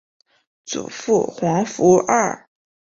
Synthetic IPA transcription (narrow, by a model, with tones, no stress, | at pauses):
t͡sṵ˨˩fu˥˩xwɑ˧˥ŋfu˧˥ɐ˥˩